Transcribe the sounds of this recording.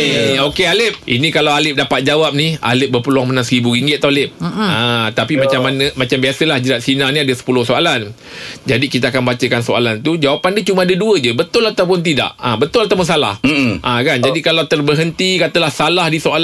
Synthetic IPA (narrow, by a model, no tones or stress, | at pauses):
eokealɪp̚ḭnĩkalawalɪp̚dapat̪̚d͡ʒawap̚nia̰lɪp̚bəpəluaŋmənaŋsəɾibuɾiŋɡɪt̪̚t̪ːawalɪp̚at̪apimat͡ʃamːanə̃mat͡ʃambiasəlahd͡ʒəɾat̪̚sinanĩadəsə̥pulʊhsoalan | d͡ʒadikit̪aakanbat͡ʃəkansoa̰lant̪ud͡ʒawapandiət͡ʃumaadəduəd͡ʒəbət̪ʊlaat̪awpʊnt̪̬ida̰ʔa̰bət̪ʊlat̪awmunsala̰hʔãkand͡ʒadikalawt̪ərbərɦənt̪ikat̪əlahsalahdisoal